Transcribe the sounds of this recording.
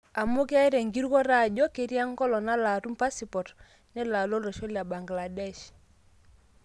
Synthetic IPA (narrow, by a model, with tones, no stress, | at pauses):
a˨mo˦ke˦a˦i˦ɾe˨ŋɡi˦ɾkɔ˦ɾa˦˨d͡ʒɔ˦ke˨ɾi˦a˦ŋɡɔ˦lɔ˨na˦la˨ɾu˦mpa˦si˨pɔ˨ɾ | nɛ˦la˨lo˦lɔ˨ʃo˦lja˨ba˨ŋɡla˨dɛ˦˨ʃ